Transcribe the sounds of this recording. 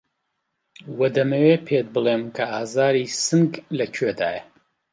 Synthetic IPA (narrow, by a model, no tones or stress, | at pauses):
wɐd̪ɐmɐwepʰet̪̚bɨlemkʰɐʔaːzaːɾisɨŋɡlɐkʰed̪a̰ːjɐ